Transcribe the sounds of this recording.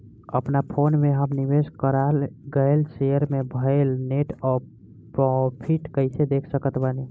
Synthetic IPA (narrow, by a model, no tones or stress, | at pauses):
ə̰pnapʰonmeɦəmniʋeskəɾalɡəjlsejəɾmebʱəɪlneʈɔ | ppʰiʈkəjsʰed̪ekʰsəkət̪bani